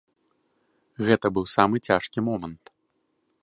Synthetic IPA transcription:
ɣɛt̪ɐbɨwsamɨt͡sʲaʂkʲimɔmɐnt̪

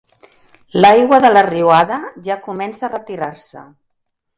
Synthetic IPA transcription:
lajɣwəðələriuaðəʒakumɛnsaːrət̪iɾarsə̰

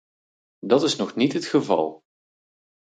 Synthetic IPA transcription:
dɑtɪsnɔχnitɦətχəvɑ̰lˠ

